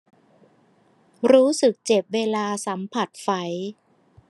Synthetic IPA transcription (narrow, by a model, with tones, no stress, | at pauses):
ɾuː˦˥sɯ˨˩k̚t͡ɕe˨˩p̚weː˧laː˧sa˩˦mpʰa˨˩t̪̚fa˩˦j